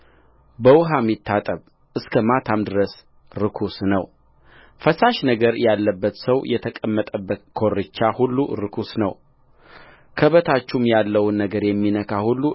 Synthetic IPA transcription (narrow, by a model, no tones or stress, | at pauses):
bəwʊɦamːit̪ʰːat̪ʼəβ | ʔɨskʰəmat̪ʰamd̪ɨɾəs | ɾɨkʰusnəw | fəsaʃnəɡəɾjalːəbːət̪səwjɛt̪ʰəkʼəmːət̪ʼəbːəkʰo̞rɨt͡ʃːahulːuɾɨkʰusnəw | kʰəβət̪ʰat͡ʃːumjalːəwnːəɡəɾjɛmːinəkʰahulːu